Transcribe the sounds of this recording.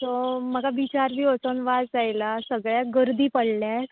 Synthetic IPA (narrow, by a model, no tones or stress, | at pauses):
sɔm̤əɡaʋit͡ɕaɾbiːət͡sənʋad͡zd͡zajlasəɡɭjaɡəɾd̪iːpəɽljat̪